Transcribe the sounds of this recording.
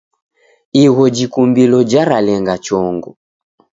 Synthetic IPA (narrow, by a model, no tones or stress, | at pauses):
iɣɔd͡ʒikumbilɔd͡ʒaɾalɛŋɡat͡ʃɔŋɡɔ